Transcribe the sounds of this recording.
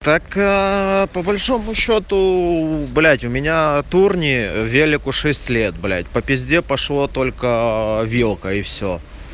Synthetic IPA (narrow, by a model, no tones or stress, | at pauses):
t̪ak | pəbɐlʲʂo̞mʊɕːo̞t̪ʊblʲætʲʊmʲɪnʲat̪urnʲɪvʲelʲɪkʊʂɛsʲtʲlʲet̪̚blʲæ̰tʲpəpʲɪzʲdʲepɐʂlˠo̞t̪o̞lʲkəvʲilˠkəɪfsʲo̰